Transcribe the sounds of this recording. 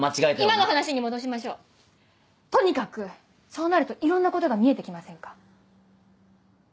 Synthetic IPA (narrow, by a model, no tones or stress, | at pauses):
mat͡ɕiɡaet̪eimanohanaɕiɲ̟imo̞d̪o̞ɕ̬imaɕo̞ː | t̪o̞ɲ̟ikakɯ̟ | so̞ːnaɾɯ̟t̪o̞ʔiɾõ̞nːako̞t̪o̞ɡamʲie̞t̪e̞kʲimasẽ̞ŋkḁ